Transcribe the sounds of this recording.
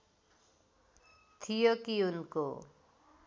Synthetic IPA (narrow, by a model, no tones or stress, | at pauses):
t̪ʰijokiunko̰